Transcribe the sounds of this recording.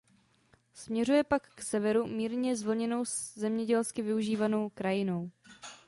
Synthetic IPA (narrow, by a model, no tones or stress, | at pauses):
smɲɛrujɛpakːsɛvɛɾumiːɾɲɛzvl̩ɲɛno̞wzɛmɲɛɟɛlskɪvɪuʒiːvano̞wkɾajɪno̞w